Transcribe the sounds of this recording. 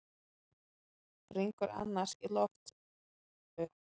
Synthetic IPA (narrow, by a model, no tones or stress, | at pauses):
riŋkʏɾa̰nːaɾ̥silɔxt̪ | ʏ